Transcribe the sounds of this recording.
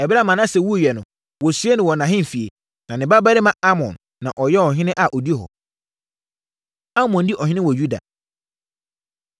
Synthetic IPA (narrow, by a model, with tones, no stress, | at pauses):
ɛ˨ba˦mã˨nã˦˨sɛ˨wu˦˨jɛ˨nʊ̃˨ | wɔ˨su˨˦e˦nɪ̃˨wɔ˨nã˨ɦɪ̃˦m̩˨fi˨ḛ˨ | nã˨nɪ̃˨ba˦ba˦ɾɪ˦mã˨a˦mɔ̰̃˨nːã˨ʔɔ˨jɛ˦ɔ˨ɦɪ̃˦nɪ̃˦ʔa˨ʔɔ˨di˦e˦hɔ̰˨ | a˦mɔ̃˨n˦dɪ˦ʔɔ˨ɦɪ̃˦nɪ̃˦wɔ˨ju˦da̰˨